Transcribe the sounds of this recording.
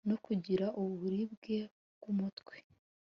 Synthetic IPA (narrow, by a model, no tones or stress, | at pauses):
no̞kuɟiɾaʔuβuβuɾib̚ɡe̞ | bɡ̥umutwe̥